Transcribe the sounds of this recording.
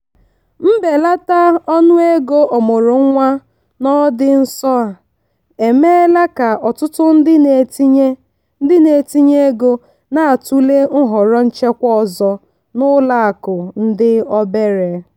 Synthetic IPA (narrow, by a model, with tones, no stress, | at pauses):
m̩˦be˨la˦ta˦ɔ˦nʊ˦e˦ɡo˦ʔo˨mo˨ɾo˨ŋ̩˦ŋʷa˦ | nɔ˦dɪ˦n̩˦sɔ˦a˨ | e˨me˦la˦ka˨ʔɔ˨tʊ˦tʊ˦n̩˦dɪ˦ne˨ti˦ɲe˦ | dɪ˦ne˨ti˦ɲe˦ɡo˦ | na˦a˨tu˦le˦ŋ̩˦ɦɔ˨ɾɔ˦n̩˦t͡ʃe˦kʷɔ˦ɔ˨zɔ˦ | nʊ˦la˦a˨kʊ˨n̩˦dɪ˦ɔ˦be˦ɾe˨